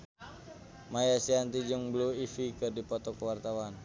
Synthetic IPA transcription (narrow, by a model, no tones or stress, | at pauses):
majasiant̪id͡ʒʊŋbluifikɨrdipɔt̪ɔkəwart̪awan